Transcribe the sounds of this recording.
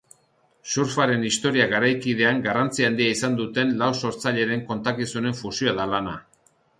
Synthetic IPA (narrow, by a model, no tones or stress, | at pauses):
suɾfaɾe̞nist̪o̞ɾiaɣaɾajkið̞e̞aŋɡarant͡siand̪iaisand̪ut̪e̞nlawso̞ɾt͡saʎe̞ɾe̞ŋko̞nt̪akisune̞ɱfusioaðalana